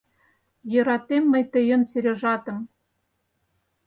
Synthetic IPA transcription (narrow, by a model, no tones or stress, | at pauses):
jɤ̆ɾɑt̪emːɘ̆jt̪ɘ̆jɤ̆nseɾʲoʒɑt̪ɤ̆m